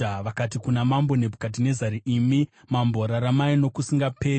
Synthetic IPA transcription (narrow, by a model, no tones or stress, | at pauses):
aʋakatikunamambo̞ne̞bʱukat̬ine̞zaɾiʔimi | mambo̞ɾaɾamaino̞kusiŋɡape̞ː